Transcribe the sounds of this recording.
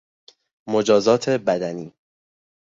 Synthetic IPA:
mod͡ʒɒːzɒːt̪ʰe̞bæd̪æniː

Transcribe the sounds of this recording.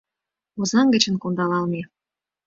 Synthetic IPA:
ozɑŋɡə̆t͡ɕə̆nkond̪ɑlɑlme

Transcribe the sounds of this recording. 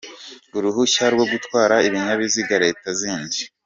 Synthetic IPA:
uɾuɦuçaɾɡwo̞ɡutwaːɾaiβiɲaβiziɡaɾe̞ːtaziːnɟi

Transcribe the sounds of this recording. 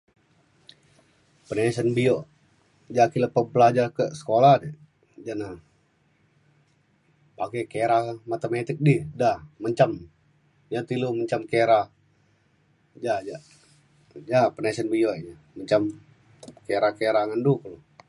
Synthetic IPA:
pənesənbijo | d͡ʒakiləpəbəlad͡ʒarkəsə̥kolahdɛ | d͡ʒana | pakɛkeɾamat̪əmet̪ɪk̚didahməɲt͡ʃam | jat̪iluməɲt͡ʃamkeɾa | d͡ʒad͡ʒa | d͡ʒapənesənbijoed͡ʒa | məɲt͡ʃam | keɾakeɾaŋandukəlu

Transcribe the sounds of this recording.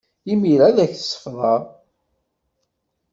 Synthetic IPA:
imiɾæðæçθə̥sːə̥fðˤɑ

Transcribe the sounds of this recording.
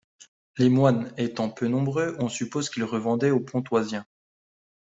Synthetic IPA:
lemwanet̪ɑ̃pønɔ̃bʁøʔɔ̃sypozkʲilʁəvɑ̃d̪ɛopʰɔ̃t̪wazjɛ̃

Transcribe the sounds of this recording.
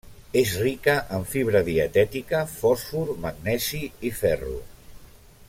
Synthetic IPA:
ezrikəʔəɱfiβ̞ɾəðiət̪ɛt̪ikəfɔsfuɾməɡnɛsiifɛrṵ

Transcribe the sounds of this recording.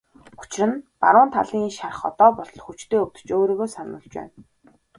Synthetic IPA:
ʊ̥t͡ɕɪrə̆npa̰ɾʊːnt̪ʰa̰ɮiːŋiʃarə̆χɔ̰t̪ɔːpɔɮɞ̆ɮxut͡ɕt̪ʰeːɵw̚t̪ɵ̥̆t͡ɕoːɾiːɣoːsanə̰̆ɮt͡ɕpæ̰ːn

